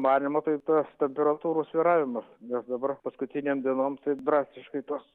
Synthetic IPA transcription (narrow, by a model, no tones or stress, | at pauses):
mɑːnʲɪmoːt̪ɐɪt̪ɐst̪ʲɛmʲpʲɛɾɐt̪uːɾoːsʋʲiːɾɑːʋʲɪmɐsnʲɛsd̪ɐbɐrpɐskʊt̪ʲɪnʲeːmd̪ʲiɛnoːmt̪ɐɪd̪ɾɑːsʲɪʃkɐɪt̪oːs